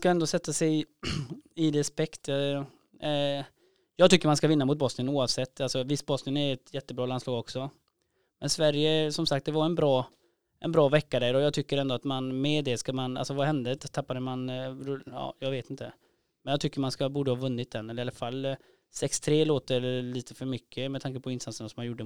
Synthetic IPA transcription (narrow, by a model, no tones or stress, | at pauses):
skaɛnd̪ɔsɛt̪ːasɛj | ɪd̪ɛspɛkt̪ː | jɑːɡt̪ʏkːəɾmanskavɪnːamʊt̪̚bɔsnɪənuːavsɛt̪ːalsɔvɪst̪̚bɔsnɪənæɾɛt̪jɛt̪ːəbɾɑːlanslɑːɡɔksɔ | mɛnsvæɾjəsɔmsak̚t̪̚d̪ɛvaɛnbɾɑː | ʔɛ̰nbɾɑːvɛkːad̪æɾɖɔjɑːɡt̪ʰʏkːəɾɛnd̪ɔat̪manmɛd̪ɛskamana̰lsɔvahɛnd̪ət̪ʰapːad̪əmanɾɑ̰ːjɑːɡveːt̪ɪnt̪ʰə | mɛnjɑɡt̪ʰʏkːəɾmanskabuːɖəhɑːvɵnːɪt̪̚d̪ɛnːɛlːɪalafalː | sɛkst̪ʰɾeːloːt̪əliːt̪ʰə̥fœɾmʏkʰːəmɛt̪ʰaŋkəpʰɔɪnst̪ansəɳasɔmːanjʊɖːə